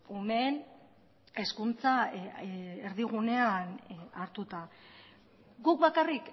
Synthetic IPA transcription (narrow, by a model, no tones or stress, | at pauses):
ume̞n | e̞skunt͡sa | eɾðiɣ̞une̞anaɾt̪ut̪a | ɡuk̚βakarik